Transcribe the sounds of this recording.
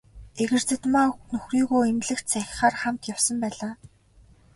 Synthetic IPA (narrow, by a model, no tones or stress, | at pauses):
eɣɘ̆r̥t͡sɘ̆t̪manɵxriːɣuːemɮɘ̆xt͡sʰæx̆ʲχaːrχamt̪jawsə̆mpæːɮaː